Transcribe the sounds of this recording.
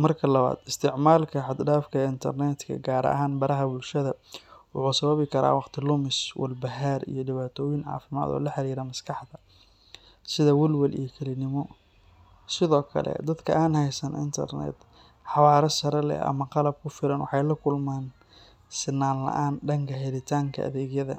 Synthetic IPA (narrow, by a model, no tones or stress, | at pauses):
mɐrkʰɐlɐβa̰ːd̪̥ɪst̪ʰɪʕmaːlkʰɐħɑd̪ɖaːfkʰɐɪnt̪ʰɐrnɛt̪kʰɐ̰ɡaːɾɐ̰ʔɦaːnbɐɾɐɦɐbʊlʃɐðɐwʊħuːsɐβɐβɪkʰɐɾa̰ːwɑqt̪ʰɪlʊmɪswɐ̰lbɐɦaːrḭjɞɖɪβaːt̪ʰɔːjɪnʕɑ̰ːfɪma̰ːd̪ɔ̰ːlɐħɑɾiːɾɐmɐskʰɑħd̪ɐ | sɪðɐwɐlwɐlʔḭjɔkʰɐlɪnɪmɔ | sɪðɔːkʰɐ̰lɛ̰d̪ɐd̪kʰɐʔaːnɦɛjsɐnʔɪ̰nt̪ʰɐ̰rnɛ̰ːd̪ | ħɑwɑːɾɐsɐɾɐlɛ̰ɐ̰mɐqɑlɐb̚kʰʊfɪɾɐnwɑħɑjlɐkʰʊlmaːn | sɪnːaːnlɐ̰ʔaːnɖɐŋkʰɐɦɛlɪt̪ʰaːŋkʰɐ̰ʔɐ̰ðɛːɡjɐðɐ̰